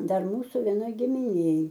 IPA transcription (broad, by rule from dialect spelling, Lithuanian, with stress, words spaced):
ˈdɐr ˈmuːsʊ ʋʲɛˈnoːj ɡʲɪmʲɪˈnʲeːj